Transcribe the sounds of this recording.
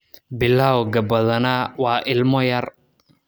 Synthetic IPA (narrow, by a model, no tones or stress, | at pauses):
bɪlːaːwɡɐbɐðɐnawɑːʔɪlmɔjɐr